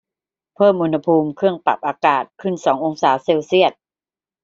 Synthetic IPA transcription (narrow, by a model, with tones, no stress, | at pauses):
pʰɤː˥˩mʔuː˧nha˧pʰuː˧mkʰɯ˥˩əŋpa̰˨˩p̚ʔaː˧kaː˨˩t̪̚kʰɯ˥˩nsɔː˩˦ŋʔo˧ŋsaː˩˦seː˧wsi˥˩ət̪̚